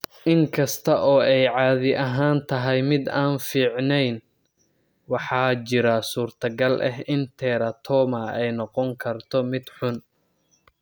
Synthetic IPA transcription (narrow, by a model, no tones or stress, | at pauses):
ʔɪŋkʰɐst̪ʰɐʔɔːɛjʕɑːðɪʔɐɦaːnt̪ʰɐɦɛjmɪd̪aːnfiːʕnɛjn | wɑħɑːt͡ʃɪɾɐsuːrt̪ʰɐɡɐlʔɛ̰ɦɪnt̪ʰɛːɾɐt̪ʰɔːmɐɛjnɔqɔŋkʰɐrt̪ʰɔmɪd̪ħʊn